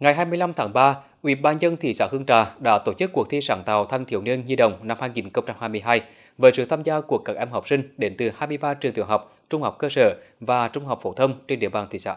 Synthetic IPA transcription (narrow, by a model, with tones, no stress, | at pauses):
ŋa˨˩jɦaː˧jmɨ˧əjla˧mt̪ʰaː˨˦ŋɓaː˧ | ʔwḭ˧˩˦ɓaː˧nzə˧nt̪ʰḭ˧˨saː˧˥˦hɨ˧əŋt͡ɕaː˨˩ɗa̰ː˧˥t̪o˧˩t͡ɕɨ˦˥k̚ːu˨˩ət̪ʰi˧saː˧˦nt̪a̰ː˨˩wt̪ʰa˧jŋt̪ʰḭ˧˦əwni˧ənzi˧ɗə̰˧˨wŋ͡mna˧mhaː˧jŋi˨˩nxə˧wŋ͡mt͡ɕa˧mhaː˧jmɨ˧əjɦaː˧j | vəː˨˦sɨ̰˧˨t̪ʰaː˧mzaː˧ku˨˩ək̚ːaː˨˩k̚ʔɛ˧mɦa˨˩k͡p̚sï˧ŋ̟ɗe˨˦nt̪ɨ˨˩haː˧jmɨ˧əjɓaː˧t͡ɕɨ˨˩ŋt̪i˨˧˩əŋɦa˨˩wk͡p̚t͡ɕʊ˧ŋ͡mha˨˩wk͡p̚kəː˧səː˧˩vaː˨˩t͡ɕʊ˧ŋ͡mha˨˩wk͡p̚fo˧˦t̪ʰə˧wŋ͡mt͡ɕe˧nɗḭ˧˨əɓaː˨˩nt̪i˧˨sa̰ː˧˦